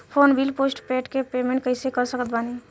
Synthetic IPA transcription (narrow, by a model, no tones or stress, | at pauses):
pʰoːnbʱilpoːsʈpeːʈkepeːmẽɳʈ̚kəɪsekəɾsəkət̪̚bani